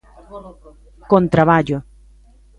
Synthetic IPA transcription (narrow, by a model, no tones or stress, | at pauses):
kont̪ɾaβad͡ʒo